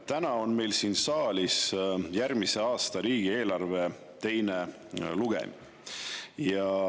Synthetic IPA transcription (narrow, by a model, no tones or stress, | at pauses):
t̪ænɑo̞nme̞jlsiːnsɑːlʲisjærmise̞ɑːst̪ɑɾiːɡ̥ie̞ːlɑrve̞ | t̪e̞jne | luɡ̥ḛm | jɑ